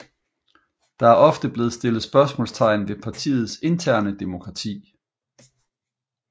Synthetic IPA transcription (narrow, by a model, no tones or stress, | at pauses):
d̥ɑ̈æɐɒ̽fd̥əb̥le̝ːð̞̩ˠsd̥e̝lð̩ˠsb̥ɶɐsmɔ̰̽lst͡sʰɑ̈ɪ̰n̩ʋe̝pʰɑ̈t͡sʰḭːð̞̩ˠse̝nt͡sʰæɐ̰nəd̥emo̝kʰʁɑ̈t͡sʰḭː